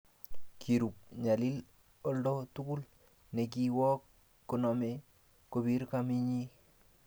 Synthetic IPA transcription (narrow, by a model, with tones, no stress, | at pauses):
kʰi˨ɾu˨p̚ɲa˨li˦l | o˦ldo˦tu˦ku˦l | ne˨k̬i˦wɔ˦kː | o˨nɔ˨me˦ | ko˨bi˦ɾka˦mi˦ɲi˦